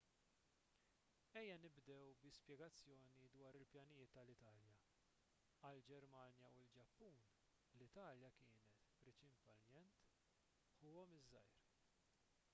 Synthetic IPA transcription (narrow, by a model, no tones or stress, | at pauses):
ɛjːɐnɪbd̪ɛwbɪspjɛɡɐt͡sːjɔːnid̪wɐːɾɪlpjɐnɪjɪːt̪ːɐlɪt̪ɐːljɐ | ɐld͡ʒɛɾmɐːnjɐwɪld͡ʒɐpːuːn | lɪt̪ɐːljɐkɪːnɛt̪pɾɛt͡ʃɪnpɐljɛnt̪ | ħuːɔmɪzːɐ̰jɾ